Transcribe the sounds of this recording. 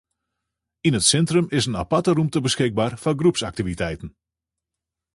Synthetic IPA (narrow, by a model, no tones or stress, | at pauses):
inətsɛntrəmɪsənapatərumtəbəsxɪk̚baːrfaɡrupsak̚tivitɛjtən̩